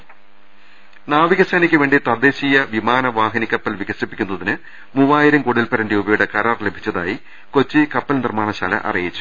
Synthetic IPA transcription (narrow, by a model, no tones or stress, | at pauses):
naːʋiɣɐsɐːnikʲːɨʋe̞ːɳɖit̪ɐd̪eːɕijɐʋimaːnɐʋaːɦɐnikʲːɐpːɐlʋiɣɐʂipːikʲːunːɐðinɨ | muʋaːjiɾɐmkoɽilpɐɾɐndeubɐjuɽekɐɾaːrle̞bʱit͡ɕːɐða̰ːji | ko̞t͡ɕːɨkɐpːɐlnirmaːɳɐɕa̰ːlɐ̰ʔɐ̰rijit͡ɕːu̥